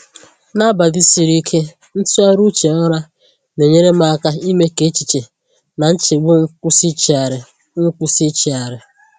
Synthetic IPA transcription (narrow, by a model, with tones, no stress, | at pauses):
na˦ba˨dɪ˦si˨ɾi˦kʰe˦ | n̩˦tu˦a˦ɾu˦t͡ʃe˨ɔ˦ɾa˦ | ne˨ɲe˦ɾe˦m˦a˦ka˦i˦me˦ke˨˦t͡ʃi˨t͡ʃe˨ | na˨n̩˦t͡ʃe˨ɡ͡bo˦ŋ̩˦ku˦si˦t͡ʃi˨a˨ɾɪ˨ | ŋ̩˦kʷu˦si˦t͡ʃi˨a˨ɾɪ˨